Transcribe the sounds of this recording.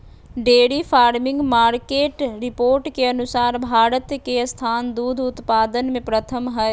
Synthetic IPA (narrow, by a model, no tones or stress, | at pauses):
ɖeːɽifpʰaːɾmɪ̃ŋɡmaːɾkeːʈɾɪpoːɾʈkeɐnʊsaːɾbʱaːɾət̪kest̪ʰaːnd̪uːd̪ʱʊt̪paːd̪ənmẽpɾət̪ʰəmɦɛ